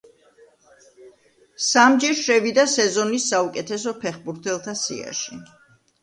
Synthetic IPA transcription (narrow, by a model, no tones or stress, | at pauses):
samd͡ʒɛɾʃɾɛvid̪asɛzɔnisːaukʼɛt̪ʰɛsɔpʰɛχbuɾt̪ʰɛlˠt̪ʰasḭa̰ʃi